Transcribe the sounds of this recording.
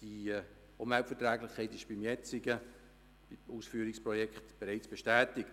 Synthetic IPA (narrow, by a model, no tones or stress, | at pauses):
d̥i | ʊnvɛltfɛətɾæːɡlɪχkʰːɛɪtɪʃb̥imjɛt͡sɪɡə̥ | uːsfyːɾɪkspɾɔjɛkχtb̥eɾaɪt͡sb̥eʃtæːtɪkt